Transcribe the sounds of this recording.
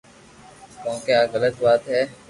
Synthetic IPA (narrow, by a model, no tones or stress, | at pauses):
kõːkeaːɣələt̪baːt̪ɦɛː